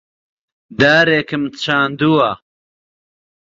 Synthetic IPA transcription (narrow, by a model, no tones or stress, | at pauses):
d̪aːɾeːkɨmt͡sʰaːnd̪uwa